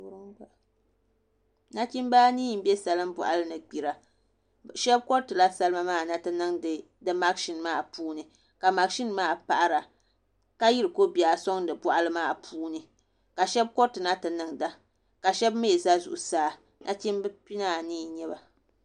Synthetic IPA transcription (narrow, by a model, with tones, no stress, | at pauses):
ɾɨ˦ŋba˦ | na˦t͡ʃi˦mbaː˦niː˦˨m̩˦bɛ˦sa˨lɨ˦mbɔ̰˨ʔa̰˨˦lɨ˦nɨ˨ɡ͡bi˨ɾa˨ | ʃɛ˦b̚kɔ˦ɾtɨ˨la˦sa˦lɨ˦ma˦maː˦˨na˦tɨ˨nɨ˦ŋɨ˨ | dɨ˦ma˦ɡʃi˦nmaː˦˨puː˦nɨ˨ | ka˨ma˨ɡʃi˦nmaː˦˨pa˨ʔa˦ɾa˨ | ka˦ji˦ɾɨ˨ko˦bi˨a˨so˦ŋdɨ˨bɔ˦ʔa˦lɨ˦maː˦˨pʰuː˦nɨ˨ | ka˨ʃɛ˦b̚kɔ˦ɾtɨ˨na˦tɨ˨nɨ˨ŋda˦ | ka˨ʃɛ˦b̚me˦˨za˦zṵ˨ʔu˨saː˦ | nʔa̰˦t͡ʃi˦mbpi˦na˦˨niː˦˨ɲɛ˦ba˨